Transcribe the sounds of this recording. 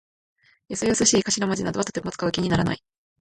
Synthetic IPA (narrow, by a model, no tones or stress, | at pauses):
jasejosɨɕiːkaɕiɾamad͡ʑinad̪oat̪o̥t̪emot͡sɨ̥kaɯ̟kʲiɲ̟inaɾana̰i